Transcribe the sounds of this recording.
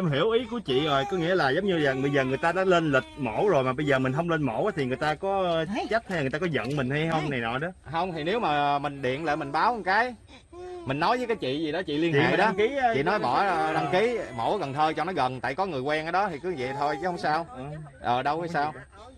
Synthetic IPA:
e˧mɦi˧˩əwʔi˨˦ku˧˩ət͡ɕḭ˧˨zo˨˩jkɔ˨˦ŋḭ˧˥əlaː˨˩zə˨˦wŋ͡mɲɨ˧aː˨˩ŋɨ˨˧jzəː˨˩ŋɨ˨˩əjt̪aː˧ɗa̰ː˧˥le˧nlï˨˩t̚mo̰˧˩wzo˨˩jmaː˨˩ɓə˧jzəː˨˩mï˨˩ŋ̟ɦə˧wŋ͡mle˧nmo˧˩˥wʔaː˨˦t̪ʰi˨˩ŋɨ˨˩əjt̪aː˧kɔ˨˦˧t̪ʰaː˨˦ŋt͡ɕa˦˥t̚ha˧jla˨˩t̪aː˧kɔ˨˦zə̰˧˨nmï˨˩ŋ̟ha˧jhə˧wŋ͡mna˨˩jnɔ̰˨˩jɗɔ˨˦ɦə˧wŋ͡mt̪ʰi˨˩ne˨˦wmaː˨˩mï˨˩ŋ̟ɗḭ˧˨ənlḛ˧˨mi˨˩ŋ̟ɓaː˨˦wʔŋkaː˨˦j | mï˨˩ŋnɔ˨˦jvəː˨˦jkaː˨˦jt͡ɕḭ˧˨zi˨˩ɗɔ˨˦t͡ɕḭ˧˨li˧ət͡ɕiː˧˨ɗɔ˧˦ki˨˦˧t͡ɕḭ˧˨nɔ˨˦jɓɔ˧˩ɗa˧ŋki˨˦mo̰˧˩˦ɣə˨˩nt̪ʰəː˧jt͡ɕɔ̰˧˨nɔ˨˦jɣə˨˩nt̪a̰ː˧˨jkɔ˨˦ŋɨ˨˩əjkwɛ˧ŋʔaː˧˩ɗɔ˨˦t̪ʰi˨˩kɨ˨˦zɛ̰˧˨t̪ʰo˧jt͡ɕɛ˨˦hə˧wŋ͡msaː˧wʔəː˨˩ɗə˧wə˨˦saː˧w

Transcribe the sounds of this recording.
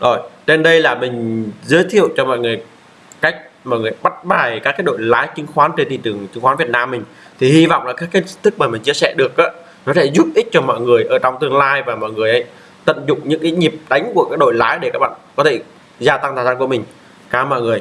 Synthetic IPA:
zo˨˩jt͡ɕe˧nɗə˧jlaː˨˩mï˨˩ŋ̟zəː˨˦jt̪ʰḭ˧˨əwt͡ɕɔ˧mɔ̰˧˨jŋɨ˨˩əj | ka˦˥jk̚mɔ̰˧˨jŋɨ˨˩əjɓa˦˥t̚ɓaː˨˩jkaː˦˥kːa˦˥k̚ɗo̰˧˨jlaː˨˦jt͡ɕï˨˦ŋ̟xwaː˨˦nt͡ɕe˧nt̪ʰi˧˨˩t͡ɕɨ˨˩əŋt͡ɕi˨˦ŋxa˨˦nvət̚naː˧mː˨˩ŋ̟ | t̪ʰi˨˩hi˧vɔ̰˧˨wŋ͡mlaː˨˩kaː˦˥kːt̚t̪ɨ˦˥k̚maː˨˩mï˨˩ŋ̟t͡ɕi˧əsɛ̰˧˩ɗɨ˨˩ək̚ʔaː˨˦ | nɔ˨˦sɛ̰˧˥zu˦˥t̚ʔi˦˥t̚t͡ɕɔ˧mɔ̰˧˨jŋɨ˨˩əjʔəː˧˩t͡ɕɔ˧wŋ͡mt̪ɨ˧əŋlaː˧jvaː˨˩mɔ̰˧˨jŋɨ˨˩əjʔə˨˦j | t̪ə̰˧˨nzʊ̰˧˨ŋ͡mɲɨ̰˧˥ŋkaː˨˦ɲi˨˩əp̚ɗa˨˦jŋ̟ku˧˩əkaː˦˥k̚ɗo̰˧˨jlaː˨˦jɗe˧˩kaː˦˥k̚ɓa̰ː˧˨nkɔ˨˦t̪ʰe˧˩ | zaː˧t̪a˧ŋʰa˨˩za˧nku˧˩mï˨˩ŋ̟ | kaː˨˧˩mɔ̰˧˨jŋɨ˨˩əj

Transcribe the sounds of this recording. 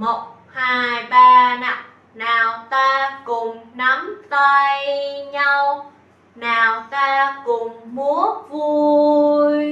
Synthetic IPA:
mo˨˩t̚ | haː˧˩jɓaː˧na˨˦˩ŋ | naː˨˩wt̪aː˧kʊ˨˩ŋ͡mna˨˦mt̪a˧jɲa˧w | naː˨˩wt̪aː˧kʊ˨˩ŋ͡mmu˨˦əvu˧j

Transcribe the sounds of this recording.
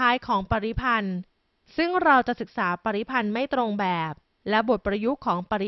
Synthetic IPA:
aː˦˥jkʰɔː˩˦ŋpa˧ɾi˦˥pʰa˧n | sɯ˥˩ŋɾa˧wt͡ɕa˨˩sɯ˨˩k̚saː˩˦pa˧ɾi˦˥pʰa˧nma˥˩jt̪ɾo˧ŋbɛː˨˩p̚ | lɛ˦˥bo˨˩t̪̚pɾa˧ju˦˥kʰɔː˩˦ŋpa˧ɾi˦˥

